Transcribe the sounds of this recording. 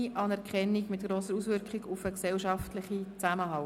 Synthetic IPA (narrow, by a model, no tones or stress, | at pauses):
iʔɑnɛɾkχɛnːiɡmɪtkɾoːsəɾusʋʏɾkχiɡufəksɛlʃɑftlɪχit͡sæməɦɑʊ